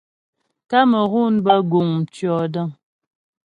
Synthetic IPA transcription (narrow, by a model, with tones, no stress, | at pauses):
ka˦mə˨ɣu˦nbə˦ɡu˨ŋ̩˨t͡ʃjɔ˨də˦ŋ